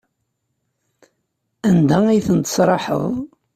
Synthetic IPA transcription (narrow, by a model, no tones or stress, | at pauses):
ænd̪æijθənt̪ə̥sɾˤɑħə̰ðˤ